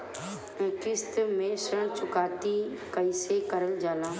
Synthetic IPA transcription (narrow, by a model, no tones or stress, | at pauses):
kɪst̪mẽsəɳ̃t͡ʃʊkaːt̪ikəɪsekəɾəld͡ʒaːlãː